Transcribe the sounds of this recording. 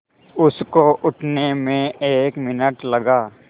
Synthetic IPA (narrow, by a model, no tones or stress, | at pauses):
ʊskoʔʊʈʰnemẽeːkmɪnəʈlɐɡaː